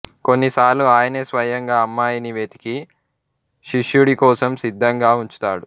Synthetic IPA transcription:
ko̞nːisaːlːuaːjɐneːsʋɐjɐŋɡaːɐmːaːjɐniʋeːt̪i̥ki | ʃiʃjuɽikɔːsɐmsid̪ʱːɐŋɡaːuɲt͡ʃu̥t̪a̰ːɽu

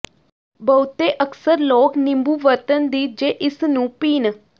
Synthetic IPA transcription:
bəʊt̪eːʔəksəɾloːknɪ̃mbuːʋəɾt̪ənd̪iːd͡ʒeːʔɪsnũːpiːn

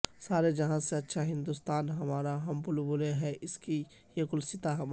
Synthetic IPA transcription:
saːɾed͡ʒɐɦãseɐtːʃʰaɦɪ̃nd̪ust̪aːnɦɐmaːɾaɦɐmpʊlbʊleɦɛʔɪski | jekʊlsɪt̪aɦɐm

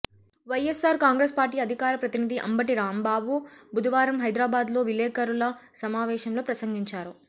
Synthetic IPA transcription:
ʋɐjesaːɾkaːŋɡɾeːspaːɾʈiːɐd̪ʱikaːɾɐpɾɐt̪inid̪iʔɐ̰mbɐʈiɾaːmbaːbubud̪ɐʋaːɾɐmɦɐjd̪ɾaːbaːd̪lo̞ːʋilɛːkɐɾulɐsɐmaːʋɛːʃɐmlo̞ːpɾɐsɐŋɡiɲt͡ʃaːɾu

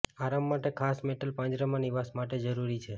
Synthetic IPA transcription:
aɾamːaʈekʰasmeʈəlpãɲd͡ʒɾəmãniʋasmaʈed͡ʒəɾuɾit͡ʃʰe

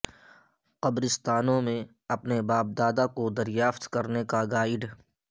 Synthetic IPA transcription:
qɐbɾɪst̪aːnõmẽ | ɐpnebaːp̚d̪aːd̪akod̪ɐɾjaːft̪kɐɾnekaɡaːɪɖ

